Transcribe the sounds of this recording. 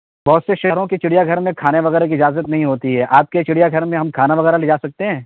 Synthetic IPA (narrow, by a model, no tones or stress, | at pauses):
bɔɦt̪seʃɐɾõket͡ʃɪɽijaɡʱɐɾmẽkʰaːneʋɐɣɛːɾek̬iɪd͡ʒaːzət̪nɐɦĩɦoːt̪iɦɛːʔaːp̚ket͡ʃɪɽijaɡʱɐɾmẽɦɐmkʰaːnaʋɐɣɛːɾaled͡ʒaːsɐk̚t̪eɦɛ̃ː